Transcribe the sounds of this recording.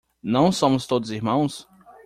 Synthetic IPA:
nɐ̃w̃sõmʊst̪od̪ʊziɾmɐ̃w̃s

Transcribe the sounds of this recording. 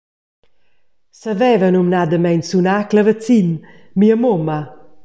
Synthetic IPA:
səvɛvənumnad̪əmɛnsunakləvət͡sin | miəmomə

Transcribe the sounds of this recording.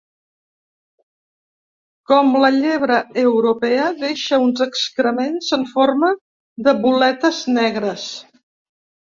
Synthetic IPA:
kɔmləʎeβ̞ɾəəwɾupɛəðeʃəunzəkskɾəmenzəɱformə | d̪əβulɛt̪əznɛɣɾəs

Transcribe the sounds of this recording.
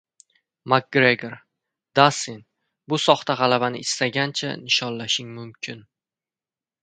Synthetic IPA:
mak̚ɡɾeɡeɾ | d̪̥asɪn | bʊsɒχt̪aʁɑlabanɪɪst̪aɡʲant͡ʃʰa̰nɪʃɒnlaʃɪŋmʊmkʲʰɪn

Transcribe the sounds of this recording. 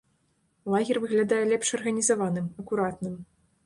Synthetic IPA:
lˠaɣʲɛrvɨɣlʲad̪ajɛlʲɛpʂɐrɣɐnʲizavanɨmɐkuɾat̪nɨm

